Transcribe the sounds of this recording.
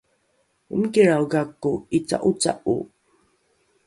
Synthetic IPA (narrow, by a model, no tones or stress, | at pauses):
ṵmkiɹawɡakuit͡sa̰ʔut͡sa̰ʔṵ